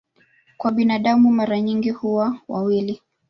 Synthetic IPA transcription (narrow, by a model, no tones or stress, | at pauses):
kwaɓinaɗamumaɾaɲiŋɡihuwawawili